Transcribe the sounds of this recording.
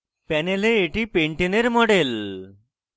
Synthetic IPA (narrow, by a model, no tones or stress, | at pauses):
pɛneleːʈipeɳʈineɾmɔɽel